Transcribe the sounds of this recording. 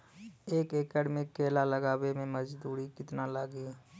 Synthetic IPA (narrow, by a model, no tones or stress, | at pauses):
eːkekɛːɖmɪkːeːlaləɡaːwemẽməd͡ʒd̪uːɾikɪt̪nalaːɡiː